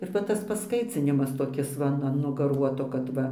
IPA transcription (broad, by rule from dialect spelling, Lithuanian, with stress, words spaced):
ɪr ʋɐ ˈtɐs pɐsˈkɐɪt͡sʲɪnʲɪmɐs toːˈkʲɪs ʋɐ ˈnʊ ɐn ɡɐˈruɔtoː kɐt ˈʋɐ